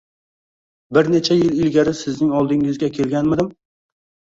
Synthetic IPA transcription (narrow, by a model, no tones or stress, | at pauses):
bɪɾne̞t͡ʃʰajɪlɪlɡʲaɾɪsɪznɪŋɒlˠd̪ɪŋɪzɡʲakʲʰe̞lˠɡʲanmɪd̪ɪm